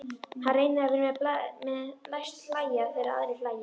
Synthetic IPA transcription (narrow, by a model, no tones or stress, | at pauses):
harejnɪavɪɾmɛlamɛðlajst̪laːjafɪɾaða̰ðɾɪflaːja